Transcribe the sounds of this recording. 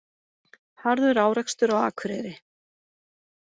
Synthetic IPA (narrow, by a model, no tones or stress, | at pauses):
haɾðʏɾaːwɾɛkst̪ʏɾawa̰ːkʰvɾɛːɾɪ